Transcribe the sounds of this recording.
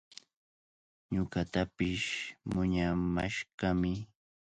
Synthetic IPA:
ɲʊkat̪apɪʃmʊɲama̰ʃɢɑmɪ

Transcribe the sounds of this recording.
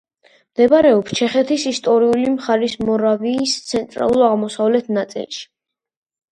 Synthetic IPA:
md̪ɛbaɾɛɔpst͡ʃʰɛχɛt̪ʰisist̪ʼɔɾiulimχaɾismɔɾaviːst̪sʰɛnt̪ʼɾa̰lˠuɾaʁmɔsavlɛt̪ʰnat̪sʼḭlˠʃi̥

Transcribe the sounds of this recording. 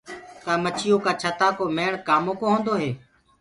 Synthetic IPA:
k̪aːmət͡ʃʰɪjoːkaːt͡ʃʰət̪aːkoːmeːɳkaːmõːkõːɦõːnd̪oːɦeː

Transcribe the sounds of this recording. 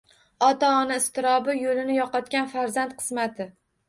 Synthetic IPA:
ɒt̪aɒnaɪst̪ɪɾɒbɪjolɪnɪjɒqɒt̪̚kʲanfaɾzant̪qʰɨ̥smat̪ʰɪ

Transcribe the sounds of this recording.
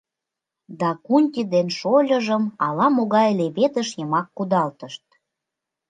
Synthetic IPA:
d̪ɑkunʲt̪ʲid̪enʃolʲə̆ʒəmɑlɑmoɣɑjleβet̪əʃjəmɑkːud̪ɑlt̪əʃt̪̚

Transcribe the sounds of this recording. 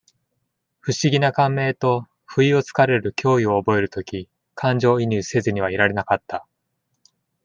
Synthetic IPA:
ɸɯ̟ɕiɡʲinakãmːe̞ːt̪o̞ | ɸɯ̟io̞t͡sɨ̥kaɾe̞ɾɯ̟kʲʰo̞ːio̞ːbo̞e̞ɾɯ̟t̪o̞kʲi | kʰãɲd͡ʑo̞ːiɲʲɨːse̞zɨɲ̟iβ̞aiɾaɾe̞nakat̪ːa

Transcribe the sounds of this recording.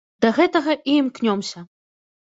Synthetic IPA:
d̪̥ɐɣɛt̪ɐɣɐʔiːmknʲɔmsʲɐ

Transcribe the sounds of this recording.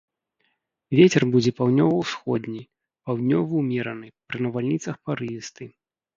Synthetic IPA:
vʲet͡sʲɛrbud͡zʲɛpawd̪nʲɔvɐwsxɔd̪ʲnʲi | pawd̪ʲnʲɔvɐwmʲɛɾɐnɨpɾɨnɐvalʲnʲit̪sɐxpaɾɨjist̪ɨ

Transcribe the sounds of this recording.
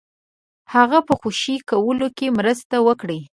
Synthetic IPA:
haɣapəxoʃikawəlokemɾəst̪awəkɽi

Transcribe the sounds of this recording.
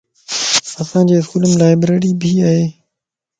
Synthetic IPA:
ɐsãːd͡ʑeːɪskuːləmlaːɪbɾeːɾiːbʱiaːɦeː

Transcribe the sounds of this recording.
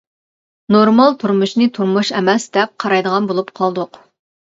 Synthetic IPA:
noɾmɑlˠt̪ʰuɾmuʃnɨt̪ʰuɾmuʃɛmɛsd̪ɛp̚qʰɑɾɑjd̪əʁɑnbolˠupqʰɑlˠd̪ʊq

